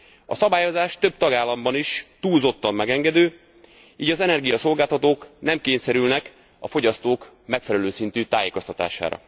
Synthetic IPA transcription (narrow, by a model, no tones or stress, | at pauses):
ɒsɒbaːjo̞zaːʃt̪øb̚t̪ɒɡaːlːɒmbɒniʃt̪uːlzo̞t̪ːɒmːɛɡɛŋɡɛd̪øː | iːɟɒzɛnɛrɡijɒso̞lɡaːlt̪ɒt̪oːknɛmkeːɲsɛɾylnɛk | ɒfo̞ɟɒst̪oːk | mɛkfɛlɛløːsint̪yt̪aːjeːko̞st̪ɒt̪a̰ːʃa̰ːɾɒ̰